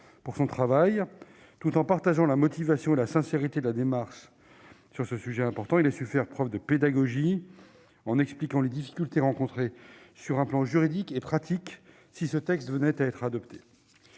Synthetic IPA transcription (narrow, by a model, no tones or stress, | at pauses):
puʁsɔ̃t̪χavaj | t̪ut̪ɑ̃paʁt̪aʒɑ̃lamɔt̪ivasjɔ̃elasɛ̃seʁit̪ed̪əlad̪emaʁʃ | syʁsəsyʒɛɛ̃pɔʁt̪ɑ̃ilasyfɛʁpχœvd̪əped̪aɡɔʒi | ɑ̃nɛksplikɑ̃led̪ifi̥kʲylt̪eʁɑ̃kɔ̃t̪χesyʁɛ̃plɑ̃ʒyʁid̪ikepχat̪ʰik | sisət̪ɛkst̪vənɛt̪aɛt̪χad̪ɔpt̪ʰe̥